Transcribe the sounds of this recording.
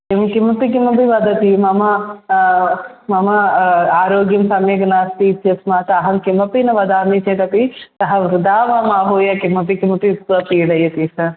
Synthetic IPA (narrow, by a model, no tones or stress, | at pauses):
imkimɐpik̬imɐp̬iʋɐd̪ɐt̪imɐmɐ | mɐmɐaːɾoːɡjɐmsɐmeːɡɐnaːst̪iːt̪ʰjɐsmaːt̪ːɦɐmkimɐpinɐʋɐd̪aːmit͡ʃek̪ɐt̪it̪ɐɦɐʋɾud̪aːʋamaːɦoːjɐkimɐp̬ikimɐpit̪ːʋɐpiːɽɐjɐt̪isɐɾ